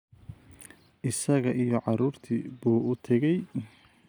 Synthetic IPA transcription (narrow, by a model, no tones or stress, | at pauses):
ʔɪsɐɣɐʔijɔʕɑɾuːrt̪ʰibuːʔʊt̪ʰɛɣɛj